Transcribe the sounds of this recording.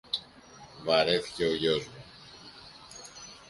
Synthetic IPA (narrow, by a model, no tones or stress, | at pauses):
vɐɾeθi̥ce̞oʝozmu